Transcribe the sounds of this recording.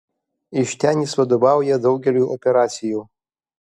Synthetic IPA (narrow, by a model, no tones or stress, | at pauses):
iʃtʰaniswadobawjadowɡʲeruʔopʰʲeɾat͡sʰijo